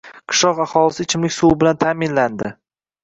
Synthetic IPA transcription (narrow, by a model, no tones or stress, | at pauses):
qʰɨ̥ʃlɒqaχɒlɪsɪt͡ʃʰɪmlɪkʲsuwbɪlant̪ʰaːmɪnland̪ɪ